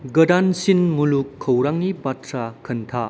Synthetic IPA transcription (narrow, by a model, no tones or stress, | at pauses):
ɡɐdansinmulukʰːɐwɾaŋnipatɾakʰɐnt̪ʰa